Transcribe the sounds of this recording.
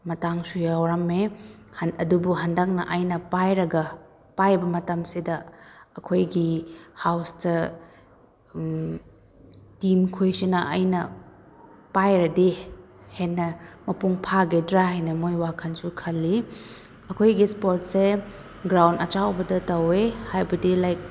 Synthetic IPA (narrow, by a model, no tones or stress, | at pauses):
mɐtaŋsujawɾamehɐdubuɦandak̚nɐʔɐjnɐpajɾɐɡɐ | pajbɐmɐtɐmsidɐːɐkʰojɡihawstɐ | timkʰojsinɐʔɐ̰jnɐ | pajɾɐdehenːɐmɐpuŋpʰaɡedɾaɦajnɐmojwakʰɐnsukʰɐlːi | ɐkʰojɡispoɾt̚se | ɡɾawndɐt͡ʃawbɐdɐtɐwehajbɐdilajk̚